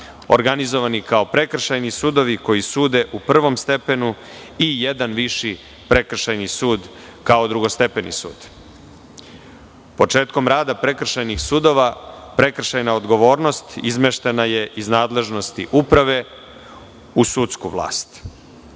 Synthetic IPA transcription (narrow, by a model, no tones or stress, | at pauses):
o̰ɾɡanizo̞ʋanikaopɾe̞kr̩ʃajnisud̪o̞ʋiko̞jisuːd̪e̞ʔupr̩ʋo̞mst̪e̞pe̞nu | ijed̪anʋiʃi | pɾe̞kr̩ʃajnisuːd̪ | kaod̪ɾuɡost̪e̞penḭsṵːd̪̥ | po̞t͡ʂe̞ːt̪ko̞mɾaːd̪apɾe̞kr̩ʃajnixsuːd̪o̞ʋapɾe̞kr̩ʃajnaod̪ɡo̞ʋo̞ːɾnost̪izmeʃt̪e̞naje̞ʔiznaːd̪le̞ʒno̞st̪iʔupɾaʋe̞ | usut̪skṵʋlˠa̰ːst̪